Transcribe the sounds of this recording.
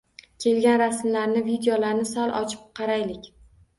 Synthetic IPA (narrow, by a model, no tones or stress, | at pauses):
kʲʰe̞lɡʲanɾasmlaɾnɪvid̪eolaɾnɪsɒlˠʔɒ̰t͡ʃʰɪ̥p̚qʰɑɾajlɪkʲ